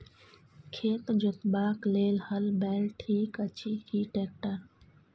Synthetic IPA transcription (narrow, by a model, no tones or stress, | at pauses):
kʰeːt̪d͡ʒʊt̪baːkleːlhəlbɛːlʈʰiːkət͡ɕiːkiːʈeːk̚ʈəɾ